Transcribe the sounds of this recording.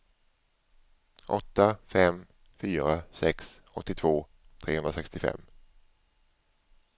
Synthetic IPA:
ʔɔt̪ːafɛm | fyːɾasɛks | ɔt̪ːɪt̪ʰvoː | t̪ʰɾeːhɵnɾasɛkst̪ɪfɛ̰mː

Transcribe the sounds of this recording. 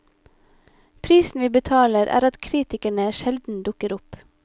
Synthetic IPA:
pʰɾiːsn̩ʋiːbət̪ʰɑːləɾʔæ̰ːɾɑt̪kʰɾiːt̪ɪkæɳəʃɛld̪n̩d̪ʊkəɾʊp

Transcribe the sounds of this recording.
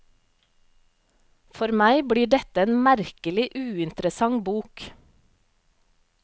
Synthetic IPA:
fɔɾmæɪbɽiːɖɛt̪əeːnmæɾkəlɪʔʉːɪnt̪ɾəsɑŋbuːk

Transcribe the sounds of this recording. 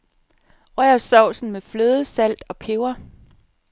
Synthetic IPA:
ʁœɐsɒʊ̰sn̩mefløːðˠəsæl̰d̥ɒ̽pʰe̝ʊɐ

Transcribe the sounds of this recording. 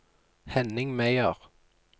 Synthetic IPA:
hɛnɪŋmæɪəʁ

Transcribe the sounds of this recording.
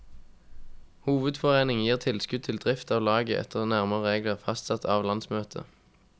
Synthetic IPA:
huːʋəd̪fɔʁeːnɪŋjiːʁt̪ʰɪlskʉd̪̚t̪ʰɪld̪ʁɪft̪ɑːʋlɑːɡəʔɛ̰t̪ʰəʁnæʁməʁəʁeːɡləʁfɑst̪sɑt̪ʰɑːʋlɑnsmøːt̪ʰə̰

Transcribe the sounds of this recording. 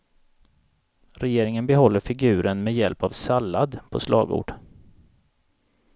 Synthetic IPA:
ɾɛjeːɾɪŋənbɛɦɔl̪ːəɾfɪɡʉ̟ːɾənmɛjɛlpavsalːad̪pʰɔ̰slɑ̰ːɡo̰ːɖ̥

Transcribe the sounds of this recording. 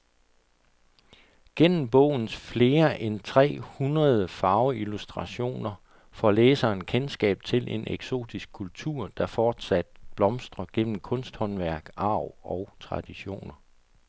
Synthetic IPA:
ɡ̥en̰m̩b̥ɔ̽ʊ̰n̩sfle̝ːɐʔent͡sʰʁɛ̰ːhunʁɐð̞ˠəfɑ̈ʊilusd̥ʁɑ̈ɕo̝̰ːnɐ | fɒleːsɐːnkʰensɡ̥ɛ̰ːb̥̚t͡sʰe̝lʔe̝nʔeɡ̥so̝̰ːd̥isɡ̥̚kʰult͡sʰuɐ̰d̥ɑ̈fɒːd̥sæd̥̚b̥lɒ̽msd̥ʁɐɡ̥en̰m̩kʰɔ̽nsd̥hɒ̽nʋæɐ̰ɡ̥ɑ̈ʊ̰ɒ̽ʊt͡sʰʁɑ̈d̥iɕo̝̰ːnɐ

